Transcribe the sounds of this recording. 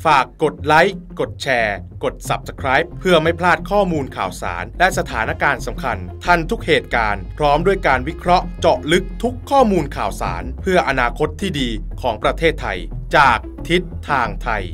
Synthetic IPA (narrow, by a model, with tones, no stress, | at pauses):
faː˨˩kːo˨˩t̪̚la˦˥jko˨˩t̪̚t͡ɕʰɛː˧ko˨˩t̪̚sa˨˩p̚sḁ˧kʰɾaː˦˥jp̚ʰːɯ˥˩ɐma˥˩jpʰlaː˥˩t̪̚kʰɔː˥˩muː˧nkʰaː˨˩wsa̰ː˩˦nlɛ˦˥sa˧t̪ʰaː˩˦na˦˥kaː˧nsa˩˦mkʰa˧nt̪ʰa˧nt̪ʰu˦˥k̚heː˨˩t̪̚kaː˧npʰɾɔː˦˥mdu˥˩əjkaː˧nwi˦˥kʰɾɔ˦˥ʔt͡ɕɔ˨˩ʔlɯ˦˥k̚t̪ʰu˦˥kʰːɔː˥˩muː˧nkʰaː˨˩wsa̰ː˩˦npʰɯ˥˩ɐʔa˧naː˧kʰo˦˥t̪ʰːiː˥˩diː˧kʰɔː˩˦ŋpɾa˧t̪ʰeː˥˩t̪ʰːa˧jt͡ɕaː˨˩k̚t̪ʰi˦˥t̪ʰːaː˧ŋt̪ʰa˧j